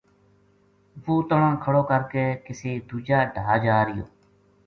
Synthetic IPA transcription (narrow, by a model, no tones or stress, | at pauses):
ʋoːt̪əɳãːkʰəɽoːkəɾkeːkɪseːd̪uːd͡ʒaːɖʱaːd͡ʒaːɾɪjo̰ː